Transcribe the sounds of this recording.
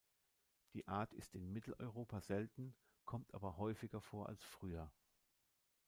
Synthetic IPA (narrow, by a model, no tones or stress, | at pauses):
d̥iːʔaːɐtʰɪ̰stɪnmɪtl̩ɔʏʁoːpʰazɛltn̩ | kʰɔmtʔa̰ːbɐhɔʏfɪɡɐfoːɐʔa̰lsfʁ̥yːɐ